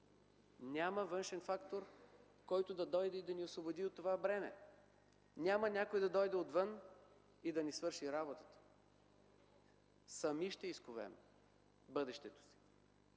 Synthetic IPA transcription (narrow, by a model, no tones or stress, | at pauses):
nʲaməvɤnʃɛnfakt̪oɾ | kɔjt̪od̪ɐd̪ɔjd̪ɛid̪ɐniosvobod̪iot̪ːovabɾɛmɛ̰ | nʲamənʲakojd̪ɐd̪ɔjd̪ɛot̪vɤn | id̪ɐnisvɤɾʃiɾabot̪ət̪ə̥ | sɐmiʃt̪ɛiskovɛ̰m | bɤd̪ɛʃt̪ɛt̪o̥si̥